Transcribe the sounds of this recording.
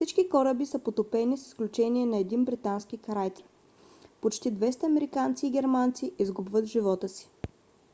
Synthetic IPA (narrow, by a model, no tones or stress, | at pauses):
fsit͡ʃkikɔɾəbisəpot̪opɛnisi̥sklʲut͡ʃɛniɛnɐɛd̪inbɾit̪anskikɐɾajt̪ɛ̥ | pot͡ʃt̪id̪vɛst̪əɐmɛɾikant̪siːɡʲɛɾmant̪siʔizɡubvət̪ʒivɔt̪əsi̥